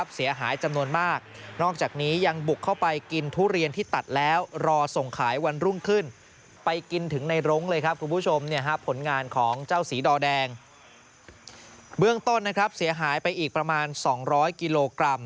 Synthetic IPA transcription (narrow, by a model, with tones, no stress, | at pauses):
p̚si˩˦ɐɦaː˩˦jt͡ɕa˧mnu˧ənmaː˥˩k̚nɔː˥˩k̚t͡ɕaː˨˩k̚niː˦˥ja˧ŋbu˨˩kʰːa˥˩wpa˧jki˧nt̪ʰuː˦˥˩ɾi˧ənt̪ʰiː˥˩t̪a˨˩t̪̚lɛː˦˥wɾɔː˧so˨˩ŋkʰaː˩˦jwa˧nɾu˥˩ŋkʰɯ˥˩n | pa˧jki˧nt̪ʰɯ˩˦ŋna˧jɾo˦˥ŋlɤː˧jkʰɾa˦˥p̚kʰu˧npʰu˦˥˩t͡ɕʰo˧mni˥˩ɐɦa˦˥pʰːo˩˦nŋaː˧nkʰɔː˩˦ŋt͡ɕaː˥˩wsiː˩˦dɔː˧dɛː˧ŋ | bɯ˥˩əŋt̪o˥˩nːa˦˥kʰɾa˦˥p̚si˩˦ɐɦaː˩˦jpa˧jʔiː˨˩k̚pɾa˧maː˧nsɔː˩˦ŋɾɔː˦˥jki˧loː˧kɾa˧m